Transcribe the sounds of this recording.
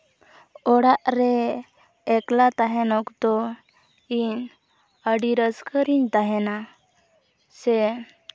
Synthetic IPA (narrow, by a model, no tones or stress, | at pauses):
ɔɽaʔɾɛː | klat̪aɦɛnɔkd̪ɔ | iɲ | əɖiɾəskʰəɾiɲt̪aɦɛna | sɛ